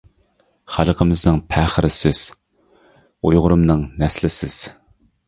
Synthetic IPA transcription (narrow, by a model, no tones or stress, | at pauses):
χælˠqʰəmɨznɨŋpʰæχəɾɪsɪz̥ | ujʁʊɾɨmnɨŋnɛslɪsɪz̥